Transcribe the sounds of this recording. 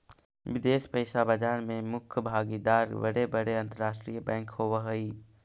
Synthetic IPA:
ʋɪd̪eːspəɪsabəd͡ʒaːɾmẽmʊkʰjəbʱaːɡid̪aːɾbə̰ɾebəɽeɐ̃nt̪əɾaːʃʈɾijəbɛ̃ːŋkhoːʋəɦəi

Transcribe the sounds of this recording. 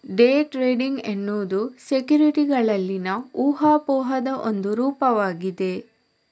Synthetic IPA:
ɖeːʈɾeːɖiŋɡenːuːd̪usekjuːɾiʈiɡɐɭɐlːinɐuːɦaːpɔːɦɐd̪ɐʔond̪uɾuːpɐʋaːɡid̪e̞

